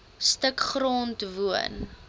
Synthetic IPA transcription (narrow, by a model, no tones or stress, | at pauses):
stəkχrɔntvuən